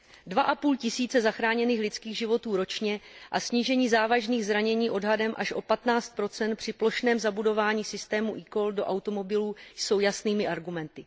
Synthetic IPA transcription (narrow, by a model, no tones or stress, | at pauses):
dvaʔapuːlcɪsiːt͡sɛzaxɾaːɲɛniːxlɪt͡skiːɣʒɪvo̞t̪uːɾo̞t͡ʃɲɛʔasɲiːʒɛɲiːzaːvaʒniːɣzɾaɲɛɲiːʔo̞dɦadɛmʔaʃʔo̞pat̪naːt͡st̪̚pɾo̞t͡sɛnt̪̚pr̝̥ɪplo̞ʃnɛːmzabudo̞vaːɲiːsɪst̪ɛːmuʔiko̞ldo̞ʔawt̪o̞mo̞bɪluːjso̞wjasniːmɪʔaɾɡumɛnt̪ɪ